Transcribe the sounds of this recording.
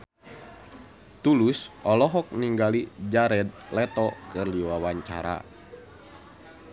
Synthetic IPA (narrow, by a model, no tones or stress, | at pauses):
t̪ulusʔɔlɔɦɔk̚niŋɡalid͡ʒaɾɛd̪̚lɛt̪ɔkɨrliwawaɲt͡ʃa̰ɾa̰